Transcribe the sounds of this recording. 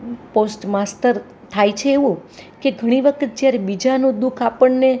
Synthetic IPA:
posʈmast̪əɾ | t̪ʰajt͡ʃʰeːʋũkeɡʱəɽ̃iʋəkʰət̪̚d͡ʒjaɾebid͡ʒanũd̪ukʰapəɳːe

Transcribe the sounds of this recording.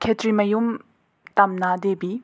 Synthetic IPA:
kʰɛt̪ʰɹimajum | t̪amnad̪epiː

